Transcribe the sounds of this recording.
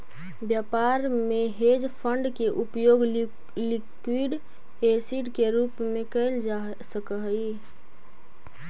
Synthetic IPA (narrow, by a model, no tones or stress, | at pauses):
bjapaɾmeɦed͡ʒpʰəɳɖkeʔupjoɡ | likwiɖ | esiɖkeɾupmekəɪla | səkəɦəi